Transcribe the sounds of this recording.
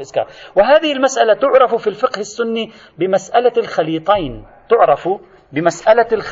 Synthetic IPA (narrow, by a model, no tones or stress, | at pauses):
lʔʊzkɑ̰ːɾˤwɪɦaːðɪhɪlmasʔalat̪ʊʕɾˤɑffilfɪqhɪsːʊnːi | bɪmasʔalalxaliːt̪ˤijn | t̪ʊʕɾˤɑf | bɪmasʔalalx